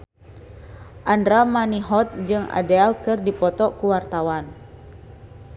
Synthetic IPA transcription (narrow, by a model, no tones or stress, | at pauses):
ʔandɾamaniɦɔt̪̚d͡ʒɨŋa̰dɛlkɨrdipɔt̪ɔkuwart̪awan